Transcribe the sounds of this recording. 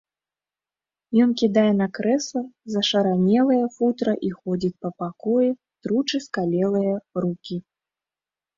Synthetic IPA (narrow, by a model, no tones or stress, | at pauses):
jɔnkʲid̪ajɛnɐkɾɛsɐzɐʂɐɾanʲɛlˠɐjɐfut̪ɾɐʔixɔd͡zʲit͡sʲpɐpakɔjɛ | t̪ɾut͡ʂɨskalʲɛlˠɨjɐɾukʲi